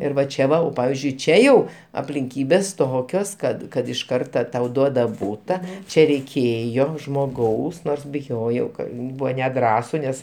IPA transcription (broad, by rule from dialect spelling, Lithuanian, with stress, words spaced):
ˈɪr ʋɐ ˈt͡ʃʲɛ ʋɐ jɛʊ ˈpɑːʋʲɪzʲd͡ʒʲʊɪ ˈt͡ʃʲɛ jɛʊ ɐpʲlʲɪŋʲˈkʲiːbʲeːs ˈtoːkʲoːs ˈkɐt kɐt ɪʃ ˈkɐrtɐ tɐʊ ˈduɔdɐ ˈbuːtɐ ˈt͡ʃʲɛ rʲɛɪˈkʲeːjoː ʒmoːˈɡɐʊs ˈnoːrs bʲɪˈjoːjɛʊ ˈkɐ ˈbʊʋoː nʲɛˈdrɑːsʊ ˈnʲɛs